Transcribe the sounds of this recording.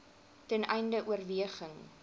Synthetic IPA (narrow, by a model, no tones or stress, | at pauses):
tɛnɛ̰jndəʔuərviəχəŋ